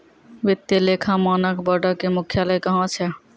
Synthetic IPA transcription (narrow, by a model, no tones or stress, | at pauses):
ʋit̪ːilekʰãmanəkbəɖəkemukʰjaləjkəɦɔ̃t͡ʃʰɛ